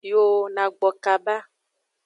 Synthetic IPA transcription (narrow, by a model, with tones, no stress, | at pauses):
i˦o˦nã˨ɡ͡bɔ˨ka˨ba˦